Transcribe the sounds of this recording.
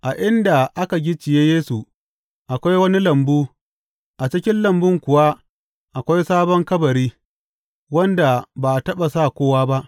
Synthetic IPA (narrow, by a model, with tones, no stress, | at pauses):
ʔa˨ʔɪ˦nda˨ʔa˦ka˨ɡʲi˦t͡ʃɪ˨jeː˦jeː˦su˨ | ʔa˨kʷa˦jwɐ˦ni˦lɐ˨mbuː˦ | ʔa˨t͡ʃɪ˦kʲɪ˦nlɐ˨mbʊ˦ŋkʷʊ˨wa˦ | ʔa˨kʷa˦jsaː˦bɔ˦ŋkɐ˦bɐ˨ɾiː˦ | wɐ˦nda˨ba˨tɐ˦ɓa˨saː˦˨kʷoː˦waː˦ba˦ʔ